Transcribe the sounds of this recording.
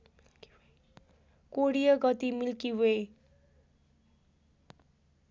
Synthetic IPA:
koɽijʌɡʌt̪imilkiwej

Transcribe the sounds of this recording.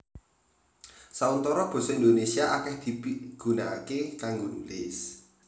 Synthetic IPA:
saunt̪ɔɾɔb̥ɔ̤sɔind̪onesiaʔakɛhd̪̥i̤piɡ̥ṳna̰kekaŋɡonulɪs

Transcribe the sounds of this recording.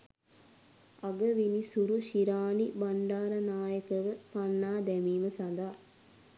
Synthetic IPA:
aɡəʋinisuɾuʃiɾaːnibaɳɖaːɾənaːjəkəʋəpanːaːd̪ɛmiːməsand̪a

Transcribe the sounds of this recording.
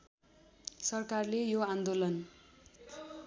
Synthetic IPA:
sʌrkarlejoãnd̪olʌn

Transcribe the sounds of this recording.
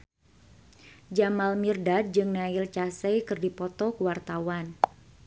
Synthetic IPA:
d͡ʒamalmirdat̪̚d͡ʒɨŋnaɪlt͡ʃasɛjkɨrdipɔt̪ɔkəwart̪awan

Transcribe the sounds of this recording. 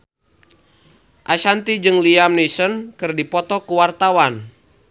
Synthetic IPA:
ʔaʃant̪id͡ʒɨŋliamnisɔnkɨrdipɔt̪ɔkuwart̪awan

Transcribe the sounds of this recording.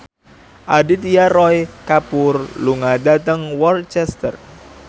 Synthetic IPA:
ʔadit̪ijarɔjkapʊrluŋadat̪əŋwɔrt͡ʃɛst̪ə̰r

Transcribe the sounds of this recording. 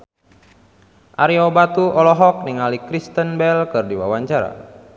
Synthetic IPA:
ʔaɾiobat̪uʔɔlɔɦɔk̚niŋalikɾist̪ənbɛlkɨrdiwa̰waɲt͡ʃaɾa̰

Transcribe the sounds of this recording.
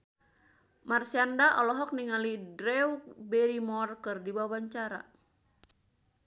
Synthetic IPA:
marsiandaʔɔlɔɦɔk̚niŋalidɾɛwk̚bɛɾimɔrkɨrdibaawaɲt͡ʃaɾa̰

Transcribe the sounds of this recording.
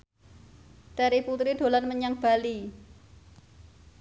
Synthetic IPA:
d̪̥a̤ɾiput̪ɾiɖ̪̥o̤lanməɲaŋb̥a̤li

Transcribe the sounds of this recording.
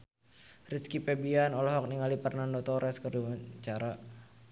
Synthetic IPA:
riskipɛbianɔlɔɦɔk̚niŋalipərnandɔt̪ɔɾɛskərduwat͡ʃaɾa

